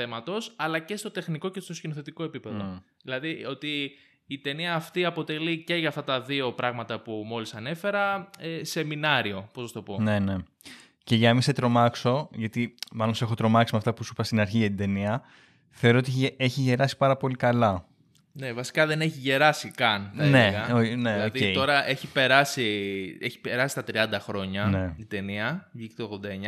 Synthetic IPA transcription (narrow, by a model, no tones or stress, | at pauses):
θe̞mɐt̪o̞sɐlɐce̞st̪o̞t̪e̞xniko̞ce̞st̪oscinoθe̞t̪ikoe̞pipe̞ðo | ðilɐðio̞t̪iː | t̪e̞niɐːft̪iɐpo̞t̪e̞lice̞ʝɐft̪ɐt̪ɐðio̞pɾɐɣmɐt̪ɐpumo̞lisɐne̞fe̞ɾɐese̞minɐɾio̞posɐst̪o̞po̞ne̞ne̞ | ce̞ʝɐmiset̪ɾo̞mɐkso̞ʝɐt̪imɐlose̞xo̞t̪ɾo̞mɐksimeɐft̪ɐpusupɐst̪inɐɾçiʝɐt̪ind̪e̞niɐ | θe̞o̞ɾoot̪ieçiʝe̞ɾɐsi̥pɐɾɐpo̞likɐlɐ | ne̞vɐsi̥kɐðe̞neçiʝe̞ɾɐsikɐnt̪ɐneɣɐone̞lɐoðiet̪oɾɐʔeçipe̞ɾɐsieçi̥pe̞ɾɐsi̥t̪ɐt̪ɾiɐnd̪ɐxɾo̞ɲɐne̞t̪id̪e̞niɐvʝiket̪oɣðod̪ɐeɲɐ